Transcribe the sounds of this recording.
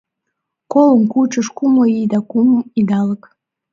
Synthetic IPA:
koləmkut͡ʃəʃkumoid̪ɑkuməmid̪ɑlək

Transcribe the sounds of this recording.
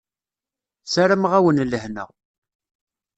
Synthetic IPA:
saɾəmʁawənləhnə̰ʁ

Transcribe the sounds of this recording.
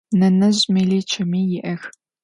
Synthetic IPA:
nɐnɐʑʼmeliːt͡ʃʰɐmiːjɪʔɐx

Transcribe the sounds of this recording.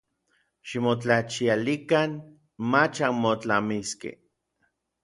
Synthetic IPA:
ʃimot͡ɬat͡ʃialikan | mat͡ʃanmot͡ɬamiskḛ

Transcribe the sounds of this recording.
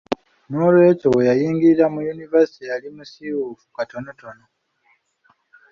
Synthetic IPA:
noɾe̞ːcowejajiːŋɡiɾiɾamujunivesi̥tejalimusiwufu̥katonotono

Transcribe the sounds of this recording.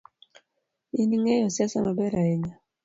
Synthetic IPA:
iniŋɛjɔsasanabɛɾaɛɲa

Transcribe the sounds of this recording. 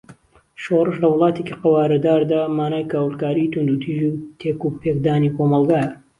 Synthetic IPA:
ʃorɨʃlɐwɨlˠɑːt̪eciqɐwaːɾɐd̪aːɾd̪aːmaːnaːjkaːwlˠkaːɾit̪und̪ut̪ʰiːʒut̪ʰekupʰek̚d̪aːnikomɑlˠɡaːjɐ

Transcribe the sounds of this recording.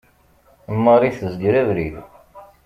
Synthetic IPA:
mːɑɾˤiθəzɡɾævɾið

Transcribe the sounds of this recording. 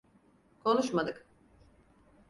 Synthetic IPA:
kʰo̞nuʃmad̪ɯk

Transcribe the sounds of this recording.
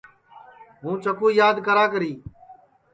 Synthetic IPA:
ɦũːt͡ʃəkũːjaːd̪kəɾaːk̬əɾiː

